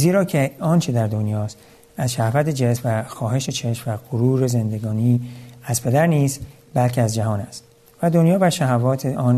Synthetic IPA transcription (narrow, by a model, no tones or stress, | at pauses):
ziːɾɒːcʰeɒːnt͡ʃʰed̪æɾd̪o̞njɒːst̪ | æzʃæhvæt̪ʰe̞d͡ʒe̞smvæxɒːɦe̞ʃe̞t͡ʃʰe̞ʃmvæɣoɾuːɾe̞ze̞nd̪e̞ɡɒːniːæzpʰe̞d̪æɾniːst̪ | bælcʰeæzd͡ʒæɦɒːnæst̪ | væd̪o̞njɒːvæʃæɦævɒːt̪ʰeʔɒːn